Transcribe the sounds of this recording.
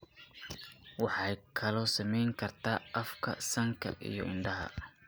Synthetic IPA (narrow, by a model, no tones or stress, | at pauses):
wɑħɑjkʰɐlɔːsɐmɛjŋkʰɐrt̪ʰaːʔɐfkʰɐ̰sɐŋkʰɐ̰ʔḭjɔɪnɖɐɦɐ̰